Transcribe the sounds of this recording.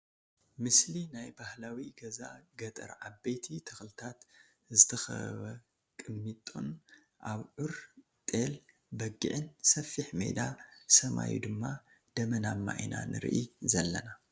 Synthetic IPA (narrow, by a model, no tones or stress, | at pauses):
mɨslinajbahlawiɡɐza̰ɡɐt̪ʼɐ̰ɾʕabejt̪ʰit̪ʰɐxlɨt̪ʰat̪ | zɨt̪ʰɐxɐ̰βɐ | kʼɨnmit̪ʼo̰n | ʔaβʕʊɾ | t̪ʼel | bɐɡːḭʕɨnsɐfiħme̞̰d̪asɐma̰jṵd̪ɨmːa | d̪̥ɐmɐnamːa̰ʔina̰nɨ̰ɾ̰ʔizɐlːɐ̰na